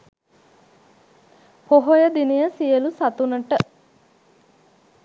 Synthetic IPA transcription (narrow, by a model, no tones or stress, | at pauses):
poɦojəd̪inijəsijəlusat̪unəʈə